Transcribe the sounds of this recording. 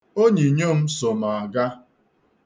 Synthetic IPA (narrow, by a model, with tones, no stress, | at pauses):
o˦ɲe˨ɲo˦m̩˦so˨ma˨a˨ɡa˦